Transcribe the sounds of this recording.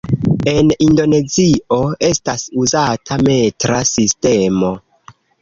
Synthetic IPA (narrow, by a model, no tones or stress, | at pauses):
e̞nindo̞ne̞zio̞e̞stasuzatʰame̞tɾasiste̞mo̞